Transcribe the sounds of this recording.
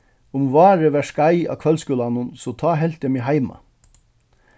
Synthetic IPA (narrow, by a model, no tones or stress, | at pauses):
ʊmʋɑːɾəʋæʃkɑæɪɑ̰ːkʰʋɛlskʉlɑnʊnsoːt̪ʰɑːɦɛlt̪əmiɦæɪmɑ̰